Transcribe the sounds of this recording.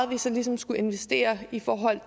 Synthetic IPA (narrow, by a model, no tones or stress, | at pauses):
ð̩ˠʋisɐlisɒ̽msɡ̥ue̝nʋesd̥e̝̰ːɐifɒːɦɒ̽l̰t͡sʰ